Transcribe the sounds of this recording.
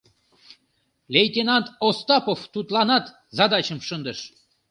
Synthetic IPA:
lʲejt̪ʲenɑnt̪ost̪ɑpoft̪ut̪lɑnɑt̪ | zɑd̪ɑt͡ɕəmʃənd̪əʃ

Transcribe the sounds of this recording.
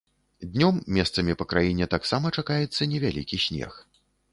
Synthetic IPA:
d̪ʲnʲɔmːʲɛst̪sɐmʲipɐkɾajinʲɛt̪aksamɐt͡ʂakajɛt̪sːɐnʲɛvʲalʲḭkʲisʲnʲɛ̰x

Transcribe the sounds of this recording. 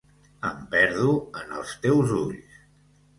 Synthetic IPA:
əmpɛɾðuənə̰lˠst̪ɛwzuʎs

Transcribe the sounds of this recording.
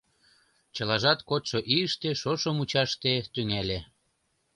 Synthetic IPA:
t͡ɕɤlɑʒɑt̪kot̪ʃoʔiəʃt̪eʃoʃomut͡ɕɑʃt̪et̪yŋæle

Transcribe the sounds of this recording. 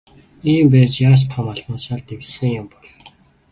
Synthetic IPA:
iːmpæːt͡ɕjaɾs̬t̪ʰɔmaɮmănsaːɮt̪ewsɘ̆ŋjʊmpɔɮ

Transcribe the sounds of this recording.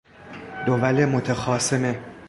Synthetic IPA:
d̪̥ovælemot̪ʰexɒːseme

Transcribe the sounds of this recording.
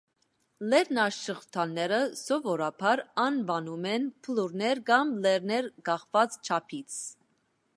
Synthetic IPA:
lɛɾnɑʃəʁt̪ʰɑnːɛɾəsɔvɔɾɑpʰɑɾɑnvɑnumɛnpʰəluɾnɛɾɡɑmlɛɾnɛɾɡɑχvɑt͡st͡ʃʰɑpʰit͡sʰ

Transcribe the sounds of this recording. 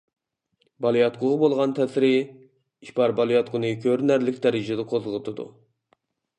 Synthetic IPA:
bɑlˠijɑt̪̚qʰʊʁəbolˠʁɑnt̪ʰɛsɾɪ | iʃbɑɾbɑlˠijɑt̪̚qʰʊnɨkʲʰøɾnæɾlɪkʲd̪ɛɾɪd͡ʒɪd̪ɛqʰozʁət̪ʰɨd̪ṵ

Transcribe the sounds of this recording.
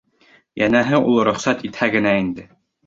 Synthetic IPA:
jænæɦɘʔulˠɾŏχsæt̪it̪hæɡɘ̆næind̪ɘ

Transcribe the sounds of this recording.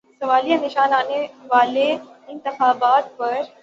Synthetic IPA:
sɐʋaːliɐnɪʃaːnaːneʋaːleɪ̃nt̪ɪxaːbaːt̪̚pɐɾ

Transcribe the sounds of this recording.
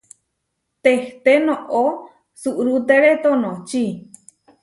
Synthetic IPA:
t̪eht̪enõʔo | suʔɾut̪eɾet̪onõt͡ʃi

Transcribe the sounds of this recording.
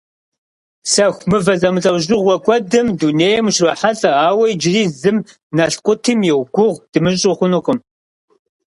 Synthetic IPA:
sɐxʷmɨvɐzɐmɨt͡sʼɐwʒɪʁʷɔkʷʼɔdɨmduneːjɛmʃrɐħaɬʼɐaːwɐjd͡ʒɪriːzɨm | nɐɬqʷʼʊtʰɨmjɛwɡʷʊʁd̥ɨmɨɕ̬ʼɪχʷʊnɨχʷʊm

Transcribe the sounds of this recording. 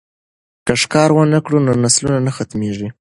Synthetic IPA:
kaʂkɑɾwənəkɽunonaslunanəxat̪meʐi

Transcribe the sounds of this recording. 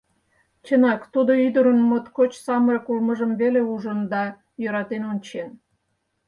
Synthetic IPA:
t͡ɕənɑkt̪ud̪oyd̪əɾənmot̪kot͡ɕsɑməɾəkolməʒəmveleuʒənd̪ɑ | jøɾɑt̪enonʲt͡ɕen

